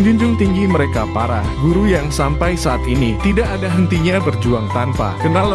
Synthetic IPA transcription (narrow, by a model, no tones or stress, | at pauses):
d͡ʒuɲd͡ʒʊŋt̪iŋɡiməɾekapaɾahɡuɾujaŋsampajsaat̪init̪idaʔadaɦənt̪iɲabərd͡ʒuaŋt̪ampa̰kənal